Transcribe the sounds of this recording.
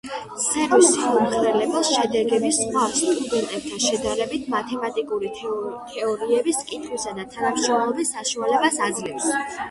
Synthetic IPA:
sɛʁɔsiumχɾɛlɛbɛlˠʃɛd̪ɛɡɛbisχwaɾstt̪ʼuɡɛnt̪ʼɛp̚t̪ʰaʃɛd̪aɾɛbit̪ʰmat̪ʰɛmat̪ʼikʼuɾit̪ʰɛɔɾiɛbiskʼit̪ʰχwisad̪at̪ʰanamʃɾɔmlˠɔbisːaʃualɛbasad̪zlɛfs

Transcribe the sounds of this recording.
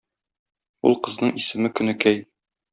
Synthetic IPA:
ṵlˠqɤ̆znɤɴisɘ̆mɘkɵ̆nɘkæj

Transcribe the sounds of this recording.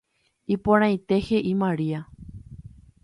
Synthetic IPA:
ipõɾ̃ãj̃t̪e̞he̞ʔimãɾia

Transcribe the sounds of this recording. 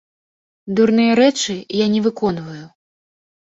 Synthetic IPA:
d̪urnɨjɐɾɛt͡ʂɨjanʲɛvɨkɔnvɐju

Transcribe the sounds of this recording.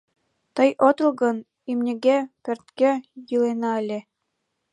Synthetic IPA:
t̪ɤ̆jʔot̪ɤ̆lˠɡɤ̆n | imnʲɘ̆ɡʲæpʲɘ̆rt̪kejɯlenɑɘlʲe

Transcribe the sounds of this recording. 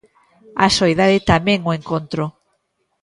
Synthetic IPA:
a̰soeðaðɪt̪amɛ̃ŋoeŋkont̪ɾo

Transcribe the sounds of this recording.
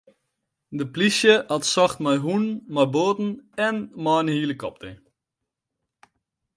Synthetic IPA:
dəplisjəatsɔxtmajɦunmɔjboːtn̩ɛnmɔːnhiːləkɔp̚te

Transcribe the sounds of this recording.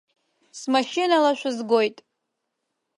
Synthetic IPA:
smaʃinalaʃʷᶣazɡojtʼ

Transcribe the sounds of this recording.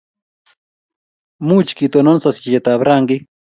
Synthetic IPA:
mut͡ʃkit̪ononsaskiʎat̪abɾaŋɡi

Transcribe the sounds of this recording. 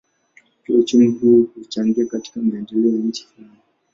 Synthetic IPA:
kiut͡ʃunihuhut͡ʃaŋɡiakati̥kamaɛndɛlɛɔjaɲ̩t͡ʃi̥flan

